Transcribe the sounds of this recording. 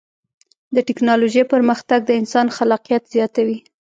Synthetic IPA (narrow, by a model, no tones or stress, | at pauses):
d̪əʈɪknɑloʒejpəɾməxt̪aɡ̚d̪əɪnsɑnxalɑqijat̪z̥jɑt̪awi